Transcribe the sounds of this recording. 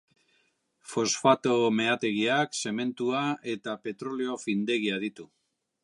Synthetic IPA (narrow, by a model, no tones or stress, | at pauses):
fo̞sfat̪o̞me̞at̪e̞ɣiakse̞me̞nt̪uaʔe̞t̪ape̞t̪ɾo̞leo̞find̪e̞ɣiað̞it̪u